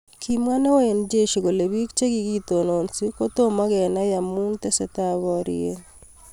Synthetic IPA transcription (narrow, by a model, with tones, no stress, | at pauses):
kʰi˨mwa˦ne˦o˦e˨nd͡ʒe˦ʃi˨ɡo˨le˨bi˦kt͡ʃe˦ɡi˦ɡi˦t̪o˨no˨nsi˦ko˦t̪o˦ma˦ɡɛ˨na˦ja˨mu˦nt̪e˦sɛ˨t̪a˦βɔ˦ɾɪ̰e˦